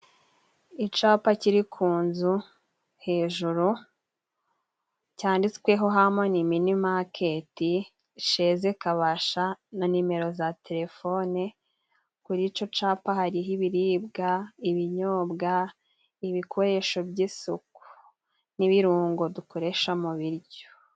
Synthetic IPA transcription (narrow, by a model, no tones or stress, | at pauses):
it͡ʃaːpaciɾikʰuːnzu | he̞ːʒuɾu | caːndit͡skwe̞ɦo̞ɦamoniminimakʰe̞ti | ʃe̞zekaβaʃananime̞ɾo̞zatʰe̞ɾe̞fo̞ne | kuɾit͡ʃo̞t͡ʃaːpahaɾiɦiβiɾiːbɡaiβiɲoːbɡa | iβikʰo̞ɾe̞ʃo̞bɟisuku̥ | niβiɾuːŋɡo̞dukoɾe̞ʃamuβiɾɟo̥